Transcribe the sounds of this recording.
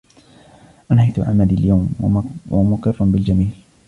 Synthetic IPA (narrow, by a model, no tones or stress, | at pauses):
ʔanhajt̪ʊʕa̰ʕmad̪iljawmwamʊkɪrˤːɑmbɪld͡ʒamiːl